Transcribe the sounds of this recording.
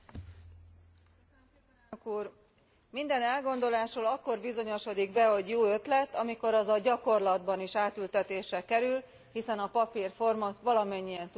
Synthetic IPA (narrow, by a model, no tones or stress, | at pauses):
kuːr | mind̪ɛnɛlɡo̞nd̪o̞laːʃoːlɒkːo̞rbizo̞ɲo̞ʃo̞d̪iɡbɛɦo̞ɟjoːø̞t̪lɛt̪ːɒmiko̞ɾɒzɒɟɒko̞rlɒd̪bɒniʃaːt̪ylt̪ɛt̪eːʃrɛkɛɾyl | hisɛnɒpɒpirfo̞rmɒt̪ʋɒlɒmɛɲːijɛnt̪